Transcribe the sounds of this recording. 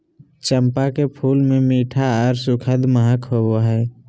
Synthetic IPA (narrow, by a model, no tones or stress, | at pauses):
t͡ʃəmpakepʰuːlmẽmiːʈʰaɔːɾsʊkʰəd̪məɦəkɦoboɦɛː